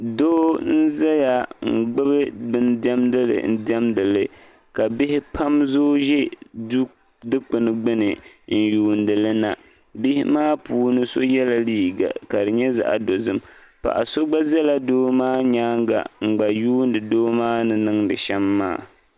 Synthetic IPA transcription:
doː˦n̩˦za˦ja˨ŋ͡m̩˨ɡ͡bɨ˦bɨ˦bɨ˦ndɛ˦mdɨ˦lɨ̰˨n̩˦dɛ˦mdɨ˨lɨ˨ | ka˨bɪ˦hɪ˦pʰa˦mzo˦ʒɛ˦du˦ | dɨ˦k͡pɨ˨nɨ˨ɡ͡bɨ˦nɨ˨n̩˨juː˨ndɨ˨lɨ˦na˨ | bɪ˦hɪ˦maː˦puː˦nɨ˦so˦jɛ˦la˨liː˦ɡa̰˨ka˨dɨ˨ɲɛ˦za̰˨ʔa̰˨do˨zɨ˦m | pa̰˨ʔa̰˨so˦ɡ͡ba˦zɛ˦la˦doː˦maː˦ɲaː˦ŋ˦ɡa̰˨ŋ͡m̩˨ɡ͡ba˨juː˦n˦dɨ˨doː˦maː˦nɨ˨nɨ˦ŋdɨ˨ʃɛ˦mːa̰ː˦˨

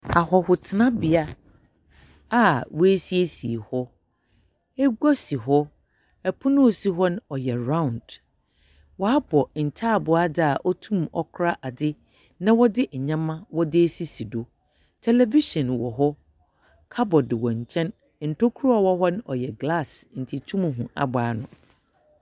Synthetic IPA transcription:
a˨ɦɔ˨hʊ˨tʰɪ˨nã˦bɪ˨a˦ | a˨wɔ˦e˦si˦e˦sḭ˨hɔ˦ | ɛ˦ɡɔ˦si˨ɦɔ˦ | ɛ˨pʰʊ˦nʊ̃˦˨si˦ɦɔ˦n˦ɔ˨jɛ˨ɾã˦˨nd̥ | wɔ˨a˦bɔ˨n̩˨tʰa˦˨bʊ˨a˦dɪ˦a˨ʔɔ˦tʰũ˦mɔ˦kʰɾa˦ʔa˨dɪ˦ | nã˨wɔ˦dɪ˦ʔɛ˨ɲã˦mã˦wɔ˦dɪ˦e˦si˦si˨do˨ | tʰɛ˨lɛ˦vi˦ʃɔ̃˨nwɔ̰˨ɦɔ˦ | kʰa˦bɔ˨dɪ˨wɔ̃˨ɲ˨t͡ɕʰɛ̃˦n | n̩˨tʰo˦kʰu˦ɾɔ˨wɔ˦ɦɔ˦n˦ɔ˨jɛ˨ɡla˦˨sn̩˨tʰi˨tʰũ˦m˨ɦũ˨a̰˨baː˨˦nʊ̃˨

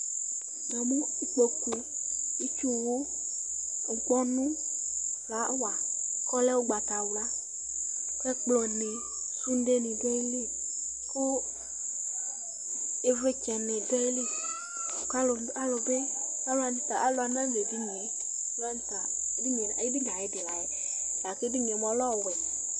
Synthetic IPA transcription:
dɔ˨mũ˦k͡po˨ku˨ | i˦t͡ʃu˦wo˦˨ | ŋ̩˨k͡pɔ˦nũ˦ | la˨˦wa˨kɔ˦lɛ˦wo˦ɡ͡ba˨t̪a˨wla˦ | kɛ˦k͡plɔ˨ne˨ | su˦n̩˦de˦nĩ˨dɛ˦i˦li˦ | ko˦ | e˦ve˦t͡ʃɛ˨ne˨dɛ˦e˦li˦˨ | ka˦lo˨˦a˦lo˨be˦˨ka˦lo˦a˨n˨t̪a˨ʔa˨lo˨a˨nã˦ɲe˨di˦ɲɛ˨ | la˦n˦t̪a˨˦ | di˦ɲe˨e˦bi˦ɲ˨ã˨e˦de˨la˨je˨ | la˨ke˦bi˦ɲ˨ɛ˨mɔ̃˨˦lɔ˦˨wɛ˨

